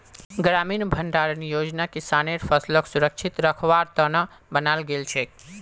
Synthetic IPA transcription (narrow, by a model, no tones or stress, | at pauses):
ɡɾaminbʱəɳɖaɾnijod͡ʒnakisaneɾpʰəsləksuɾəkt͡ʃʰit̪ɾəkʰʋaɾt̪ənə | bənalɡelt͡ʃʰe